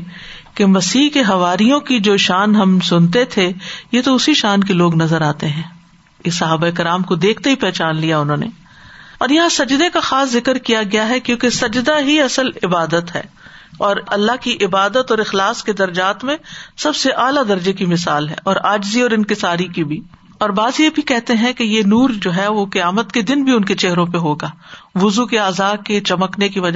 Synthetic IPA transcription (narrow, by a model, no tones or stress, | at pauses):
kemɐsiːkeɦɐʋaːɾijõkid͡ʒoːʃaːnɦɐmsʊnt̪et̪ʰejet̪oʊsiʃaːnkeloːɡnɐzəɾaːt̪eɦɛ̃ː | ɪsɐɦaːbaeɪkɪɾaːmkod̪eːkʰt̪eɦipɛːt͡ʃaːnlijaʊnɦõːnḛ | ɔːɾjɐɦãsɐd͡ʒd̪ekaxaːszɪkəɾkijaɡɐjaɦɛkjõːkesɐd͡ʒd̪aɦiɐsəlɪbaːd̪ət̪ɦɛ̰ː | ɔːɾɐlːaɦkiʔɪbaːd̪ət̪ɔːɾɪxlaːsked̪ɐɾd͡ʒaːt̪mẽsɐbseʔaːlad̪ɐɾd͡ʒekimɪsaːlɦɛ̰ːʔɔːɾaːd͡ʒziɔːɾɪ̃nkɪsaːɾikibʱi | ɔːɾbaːzjebʱikɛɦt̪eɦɛ̃kejenuːɾd͡ʒoːɦɛʋokɐjaːmət̪ked̪ɪnbʱiʊnket͡ʃeɦɾõpeɦoːɡaːʋʊzukeaːzaːket͡ʃɐməknekiʋɐd͡ʒa